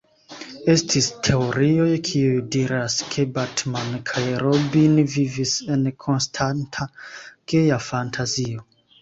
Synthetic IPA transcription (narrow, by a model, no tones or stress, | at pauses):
e̞stʰistʰe̞o̞ɾiojkʰiujdiɾaskʰe̞batmankʰajɾobinvivise̞nkʰo̞nstʰantʰakejafantʰazio̞